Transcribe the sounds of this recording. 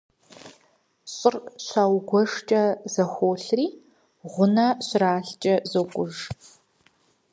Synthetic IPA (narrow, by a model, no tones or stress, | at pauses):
ɕʼɪrɕʷaːwɡʷɔʂt͡ʃʼɐzɐxʷoːɬriː | ʁʷʊnɐɕraːɬt͡ʃʼɐzokʷʼʊʒ